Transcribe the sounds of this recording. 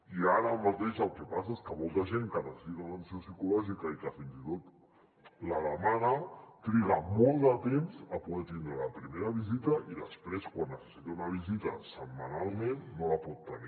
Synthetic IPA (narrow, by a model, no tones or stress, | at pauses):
iaɾəːmat̪eʃəlˠkɛpasaeskəmolˠt̪əʒeŋkənəssit̪unansiosikulɔʒikəikəfinzit̪ot̪ | lələmanət̪ɾiɣəmolˠd̪ət̪emzəpuðɛt̪ind̪ɾələpɾimeɾəβizit̪əʔiðəspɾeskwanːəsə̥sit̪eunəβ̞izit̪ə̰səmːanalˠmenːoləpɔt̪ːəni